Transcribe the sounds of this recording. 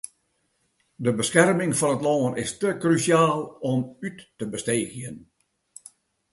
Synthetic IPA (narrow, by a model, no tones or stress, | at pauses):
dəbəsxɛrmɪŋfɔnətloːənɪ̰stəkrysjaːlˠɔmytːəbəsteːɣjən